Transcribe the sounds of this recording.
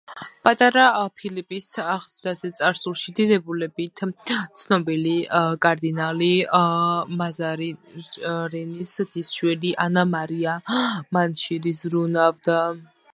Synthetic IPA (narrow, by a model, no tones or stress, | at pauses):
pʼat̪ʼaɾapʰilipʼisaχzɾazɛt̪sʼaɾsulˠʃid̪id̪ɛbulɛbit̪ʰt̪sʰnɔbilikʼaɾd̪inali | mazaɾ | ɾɛnisd̪̥isʃwɛliʔanamaɾiamanʃiɾisɾunavd̪a